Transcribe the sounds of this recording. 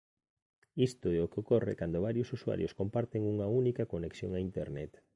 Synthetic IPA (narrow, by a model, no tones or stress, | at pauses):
ist̪oɛokeokorḛkand̪oβaɾjosuswa̰ɾjo̰skompaɾt̪eŋuŋɐunikɐkoneksjo̰ŋaint̪eɾnɛt̪